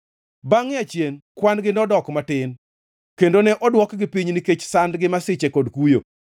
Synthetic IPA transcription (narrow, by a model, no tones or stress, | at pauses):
baŋɪat͡ʃjenkwanɡɪnɔdɔkmatɪn | kendonɛʔɔdwɔkɡɪpiɲniket͡ʃsandɡɪmasɪt͡ʃekɔdkujo̰